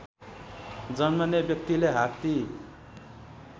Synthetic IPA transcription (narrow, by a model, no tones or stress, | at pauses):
d͡zʌnmʌnebjʌk̚t̪ileɦakt̪i